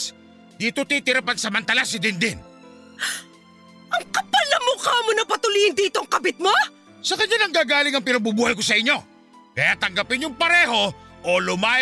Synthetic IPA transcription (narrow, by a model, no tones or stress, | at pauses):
d̪iːt̪ot̪iːt̪ɪɾapansɐmɐnt̪ɐlasɪd̪ɪnd̪ɪn | ɐŋkɐpalɐmokamonɐpɐt̪ʊlihɪnd̪iːt̪oɐŋkɐbɪt̪̚mo | sɐkɐɲanɐŋɡaːɡaːlɪŋɐŋpɪnɐɡ̚bubuːhɐjkosɐɪɲːo̞ | kɐjat̪ɐŋɡɐpɪnjʊŋpɐɾɛːɦo̞ʔolʊmaː